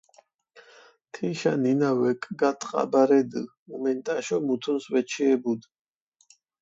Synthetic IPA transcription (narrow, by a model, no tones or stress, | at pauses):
t̪ʰiʃa̰ninawɛkʼɡat̪ʰʼqʼa̰baɾɛd̪ɨ | umɛnt̪ʼaʃɔmut̪ʰunswɛt͡ʃʰiɛbud̪